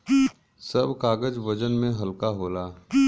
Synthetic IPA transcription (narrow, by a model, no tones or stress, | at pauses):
sɐbʱkaːɡəd͡ʒʋɐd͡ʒənmẽɦɐlkaɦoːlaː